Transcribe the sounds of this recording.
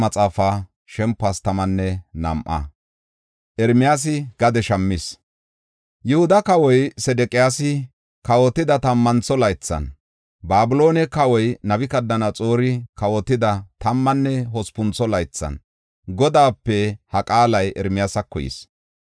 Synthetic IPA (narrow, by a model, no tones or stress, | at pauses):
mɐt͡sʼaːfaː | ʃɛmpːast̪ɐmɐnːɛnɐ̰mʔɐ̰ | ʔɛɾmɪjaːs̬ɪɡ̥ɐd̪ɛʃɐmːɪs | jʊhʊd̪ɐkɐwɔjsɛd̪ɛkʼɪjaːsɪ | kɐwɔt̪ːɪd̪ɐt̪ɐmːɐnt͡sːɔlɐjt͡sːɐ̰n | baːbʊlo̞ːnɛkɐwɔjnɐbɪkɐd̪ːɐnɐt͡sʼo̞ːɾɪkɐwɔt̪ːɪd̪ɐt̪ɐmːɐnːɛɦɔspʊnt͡sːɔlɐjt͡sːɐ̰n | ɡɔd̪aːpːɛhɐkʼaːlɐjʔɛɾmɪjaːsɐkːɔjɪ̰s